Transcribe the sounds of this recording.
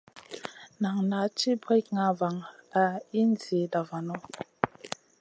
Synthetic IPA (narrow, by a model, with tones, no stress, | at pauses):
na˨ŋna˨˦t͡ʃi˦bɾi˦k̚ŋa˨˦va˨ŋa˨i˦n̩˦d͡zje˨da˨va˨nɔ˦